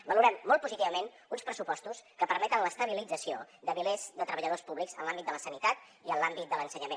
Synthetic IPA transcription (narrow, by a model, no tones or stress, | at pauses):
bəluɾɛmːɔlt̪̚puzit̪iβəmen | unspɾəsupɔst̪uskəpəɾmɛt̪ənləst̪əβ̞ilid͡zəsiod̪əβilezd̪ət̪ɾəβəʎəð̞ospuβlikzənlambit̪d̪ələsənit̪at̪̚ | iənlambit̪̚d̪ələnsəɲəmen